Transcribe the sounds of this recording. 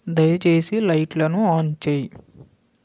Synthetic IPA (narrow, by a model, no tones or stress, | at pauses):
d̪ɐjɐt͡ʃeːsilɐjʈlɐnuaːnt͡ʃeːji